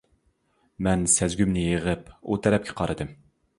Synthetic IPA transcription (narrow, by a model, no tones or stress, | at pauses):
mɛnsɛzɡʲymnɪjeʁɨput̪ʰɛɾɛp̚kʲʰɛ̥qʰɑɾʔɨd̪ɨm